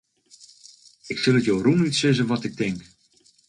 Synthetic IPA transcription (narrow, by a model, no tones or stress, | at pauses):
ɪksɪlˠətjowrunitsɪzəʋɔtɪk̚dɪŋk